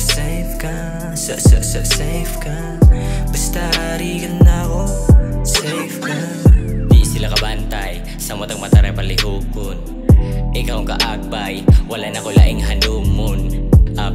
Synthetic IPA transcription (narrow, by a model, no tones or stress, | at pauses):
sɛjfka | sasasɐsɛjfka | bɐst̪aɾiɡɐnːakosɛjfka | d̪iʔsɪlakɐbant̪aj | samot̪ɐŋmɐt̪aɾajpɐlɪhuːkon | ʔɪkawka̰ʔaɡ̚bajwɐlaʔnakola̰ʔɪŋɦanuːmonʔa